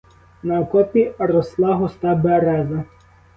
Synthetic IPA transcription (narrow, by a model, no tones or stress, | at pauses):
nɐkɔpʲiɾɔslˠɑɦɔst̪ɑbeɾɛzɐ